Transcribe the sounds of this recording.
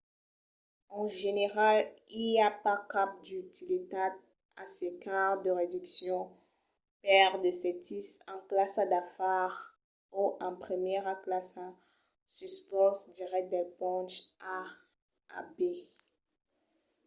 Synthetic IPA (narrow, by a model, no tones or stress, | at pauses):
ɑ̃ʒeneʁaliljapakap̚d̪yt̪ilet̪ad̪̚ | asekaʁd̪əʁed̪yksjɔ̃ | pɛʁd̪əsɛt̪isɑ̃klasad̪afaʁ | oʔɑ̃pχəmjɛʁaklasa | syspɔsd̪iʁɛk̚t̚d̪ɛlpɔ̃t͡ʃa̰ː | be